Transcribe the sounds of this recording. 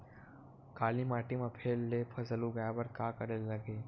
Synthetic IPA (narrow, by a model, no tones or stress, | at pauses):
kaːlimaːʈimapʰeːlːeːpʰɐsəluɡəjabəɾkaːkɐɾelːɐɡeː